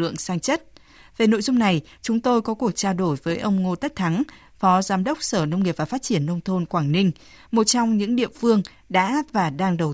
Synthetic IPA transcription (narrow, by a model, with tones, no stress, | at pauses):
ɨ̰˧˨əŋsaː˧ŋt͡ɕə˦˥t̚ | ve˨˩no̰˧˨jzʊ˧ŋ͡mna˨˩jt͡ɕʊ˨˦ŋ͡mt̪o˧jkɔ˨˦ku˨˩ək̚t͡ɕaː˧ɗo˧˩jvəː˨˦jʔə˧wŋ͡mŋo˧t̪ə˦˥t̪ʰa˨˦ŋ | fɔ˨˦zaː˨˦mɗə˦˥wk͡p̚səː˧˩nə˧wŋ͡mŋi˨˩p̚vaː˨˩faː˦˥t̚t͡ɕi˧˩ənːə˧wŋ͡mt̪ʰo˧nkwaː˧˩ŋnï˧ŋ̟ | mo˨˩t̚t͡ɕɔ˧wŋ͡mɲɨ̰˧˥ŋɗḭ˧˨ənfɨ˧əŋ | ɗa̰ː˧˥vaː˨˩ɗaː˧ŋɗə˨˩w